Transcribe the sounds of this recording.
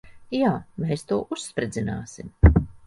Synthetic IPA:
jaːmeːst̪uɔʔusːpɾed̪zʲina̰ːsim

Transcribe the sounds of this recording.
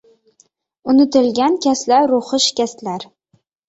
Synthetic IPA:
ʊnɪt̪ɪ̆lɡʲankʲʰaslaɾːʊχɨʃkʲaslaɾ

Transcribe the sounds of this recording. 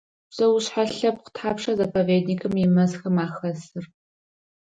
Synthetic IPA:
b̥z̥ɐwʊɕħaɬɐp̚qʷə̥tʰħaːpʂɐzɐpʰɐveːdnikʰʼɨmjɪmɐzxɐmaːxɐzɨr

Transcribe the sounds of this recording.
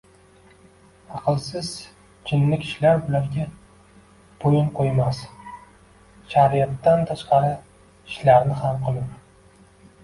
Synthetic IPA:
ɑqʰɨlˠsɪz | d͡ʒʰɪnːɪkʲʰɪ̥ʃlaɾbɪlaɾɡʲa | b̥ojɪnqʰojmas | ʃaɾijat̪ːant̪ʰaʃqɑɾɪ | ɪʃlaɾnɪhamqʰɨlˠɪp

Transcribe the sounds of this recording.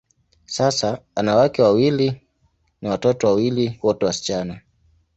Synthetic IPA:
sasaanawakɛwawili | nawatɔtɔwawiliwɔtɛwasi̥t͡ʃana

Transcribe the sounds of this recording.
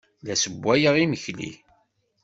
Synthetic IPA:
læsəbʷːæjəʁiməçlḭ

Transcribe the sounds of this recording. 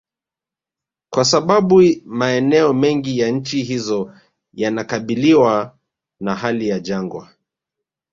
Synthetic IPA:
kwasaɓaɓumaɛnɛɔmɛŋɡijaɲ̩t͡ʃiɦizɔ | janakaɓiliwa | naɦalijad͡ʒaŋɡwa̰

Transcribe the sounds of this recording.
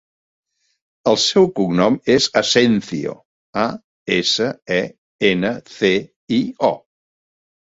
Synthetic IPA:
əlˠsɛwkuɡnɔmezəsɛnθḭo̰ | a | esəɛ | enəθe | iɔ

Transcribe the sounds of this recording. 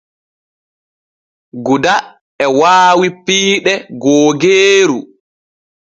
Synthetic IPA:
ɡuda | ɛwaːwipiːɗɛɡoːɡeːɾu

